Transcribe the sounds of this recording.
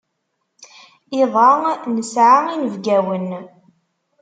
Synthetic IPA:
iðˤɑnəsʕainəvɡæwən

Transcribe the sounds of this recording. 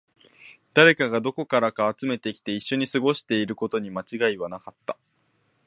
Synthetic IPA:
d̪aɾe̞kaɡad̪o̞ko̞kaɾakaːt͡sɨme̞t̪e̞kʲi̥t̪e̞iɕːo̞ɲ̟isɨɡo̞ɕi̥t̪e̞iɾɯ̟ko̞t̪o̞ɲ̟imat͡ɕiɡaiβ̞anakat̪ːa

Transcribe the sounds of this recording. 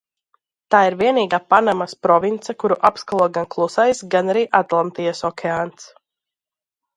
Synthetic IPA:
t̪aːiɾviɛniːɡaːpanamaspɾɔvint̪sakuɾuʔapskalˠuɔɡanklˠusajsɡanaɾiːʔat̪lˠant̪ijasɔkʲʰɛaːnt̪s

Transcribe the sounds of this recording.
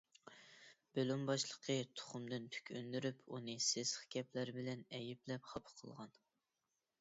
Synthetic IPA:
b̥ølumbɑʃlˠəqʰət̪ʰʊ̥χʊmd̪ɨnt̪ʰy̥kʲʰønd̪yɾypʰunɨsezχkʲʰɛplæɾɪbɪlɛnɛjiplɛpχɑpʰqʰəlˠʁɑn

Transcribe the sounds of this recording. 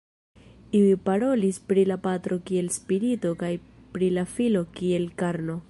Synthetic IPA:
iipaɾo̞lispɾilapatɾo̞kie̞lspiɾito̞kajpɾilafilo̞kie̞lkaɾno̞

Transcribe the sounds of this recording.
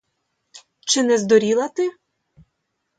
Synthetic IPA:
t͡ʃɪnɛzd̪ɔɾʲilˠɐt̪ɪ

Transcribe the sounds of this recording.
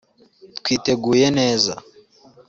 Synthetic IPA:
tkwiteɡujɛnɛza̰

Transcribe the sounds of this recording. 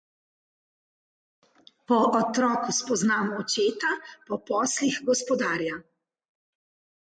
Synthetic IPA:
pɔʔɔt̪ɾɔːkuspɔznaːmɔːt͡ʃeːt̪apɔpɔːslixɡɔspɔd̪aːɾja

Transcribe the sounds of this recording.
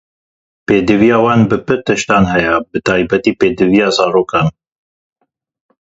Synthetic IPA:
peːd̪ɨvijɑːwɑːnbɨpɨɾt̪ɨʃt̪ɑːnɦɛjɛbɨt̪ʰɑːjbɛt̪iːpeːd̪ɨvijɑːzɑːɾoːkɑːn

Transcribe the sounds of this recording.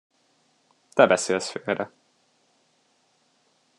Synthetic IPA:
t̪ɛbɛseːlsføːlɾɛ

